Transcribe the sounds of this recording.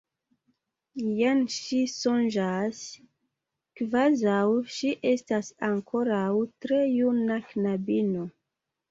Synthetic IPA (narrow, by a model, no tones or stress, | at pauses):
janʃiso̞nd͡ʒas | kvazawʃiʔe̞stasaŋkʰo̞ɾawtɾe̞junaknabino